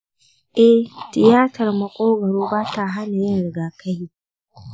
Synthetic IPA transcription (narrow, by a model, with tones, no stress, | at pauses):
ʔɛ˦tɪ˨jaː˦tɐ˨rmɐ˨kʷʼoː˦ɡɐ˨ɽoː˦baː˦ta˨ɦa˦na˨jɪ˦nɽɪ˨ɡaː˨kʰa˦jiː˦